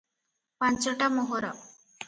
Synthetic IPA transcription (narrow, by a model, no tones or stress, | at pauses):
pãnt͡ʃɔʈamoɦɔɾɔ